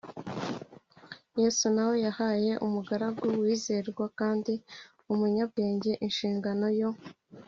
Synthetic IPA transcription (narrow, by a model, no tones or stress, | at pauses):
je̞ːsunawo̞jahaje̞ʔumuɡaɾaɡɡuwiːze̞ɾɡwakaːndi | umuɲab̚ɡe̞ːɲɟe̞ʔinʃiːŋɡano̞jo̞